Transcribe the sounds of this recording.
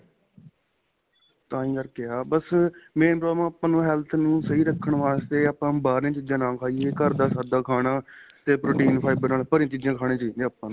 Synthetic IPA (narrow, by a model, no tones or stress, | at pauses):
t̪ãːĩːkəɾkeaːbəsmẽːpɾoːmãːəpːãːnũːɦɛːlt̪ʰnũːsəɦiːɾəkʰːəɳʋaːst̪eːaːpːãːbaːɾĩːt͡ʃɪd͡ʒãːnãːkʰaːieːkəɾd̪aːsaːd̪aːkʰaːɽaːt̪eːpɾoːʈiːnpʰaːɪbəɾnaːlpəɾĩãːt͡ʃɪd͡ʒãːkʰaːɽ̃ẽːt͡ʃiːneːaːpːãːnː